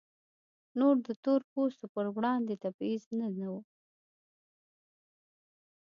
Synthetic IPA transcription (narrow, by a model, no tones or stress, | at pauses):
noɾd̪ət̪oɾpost̪opəɾwɽɑnd̪et̪abiznanawu